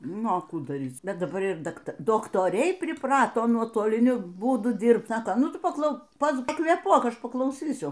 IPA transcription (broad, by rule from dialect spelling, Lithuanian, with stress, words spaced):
ˈnʊ ɐ ˈkuː dɐˈrʲiːt͡s ˈbʲɛt dɐˈbɐr ɪr dɐkˈtɐ doːktoːˈrʲɛɪ pʲrʲɪˈprɑːtoː nuɔtoːlʲɪˈnʲʊ ˈbuːdʊ ˈdʲiːrpt ˈsɑːkoː ˈnʊ ˈtʊ pɐˈklˠɐʊ pɐkʋʲeːˈpuɔk ˈɐʃ pɐklˠɐʊˈsʲiːsʲʊ